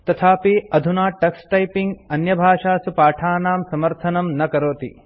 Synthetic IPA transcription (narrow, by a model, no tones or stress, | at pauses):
t̪ɐt̪ʰaːpiɐd̪ʱunaːʈɐksʈɐjpiŋɡɐnjɐbʱaːʃaːsupaːʈʰaːnaːmsɐmɐɾt̪ʰɐnɐmnɐkɐɾoːt̪ḭ